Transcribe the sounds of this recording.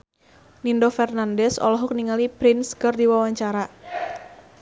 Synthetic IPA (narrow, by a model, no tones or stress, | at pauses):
nindɔfɛrnandɛsɔ̰lɔɦʊk̚niŋalipɾɪnskərdiwawaɲt͡ʃaɾa